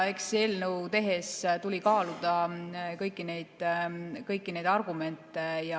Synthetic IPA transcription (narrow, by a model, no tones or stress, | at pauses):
e̞kse̞lnəwt̪e̞ɦe̞st̪ulʲikɑːlud̪̥ɑkɤjkːˑine̞jd̪̥kɤjkːine̞jd̪ɑrɡume̞nt̪ːˑejɑ